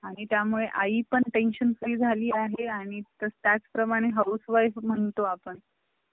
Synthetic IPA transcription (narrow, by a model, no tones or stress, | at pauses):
aɽ̃it̪jamuɭeʔaipəɳʈenɕənfɾiːd͡zʱaliːaɦeaɽ̃it̪əɾt̪jat͡sspɾəmaɽ̃eɦawsʋajfm̤əɳt̪oapəɳ